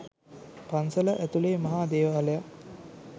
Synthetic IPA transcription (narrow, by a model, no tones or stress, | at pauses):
pansələʔæt̪uleːmɐɦaːd̪eːʋaːleja